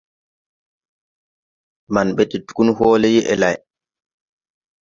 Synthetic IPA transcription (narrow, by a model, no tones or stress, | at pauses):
manɓɛtitu̥kunhɔːlɛjiʔɛ̰laj